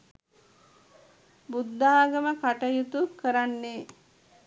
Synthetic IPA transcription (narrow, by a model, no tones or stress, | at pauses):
bud̪ːaːɡəməkaʈəjut̪ukəɾanːe